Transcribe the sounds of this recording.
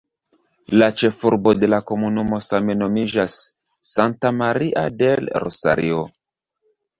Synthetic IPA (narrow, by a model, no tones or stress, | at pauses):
lat͡ʃe̞fuɾbo̞de̞lako̞munumo̞same̞no̞mid͡ʒasː | antamaɾiʔa̰de̞lɾo̰sa̰ɾʔio̞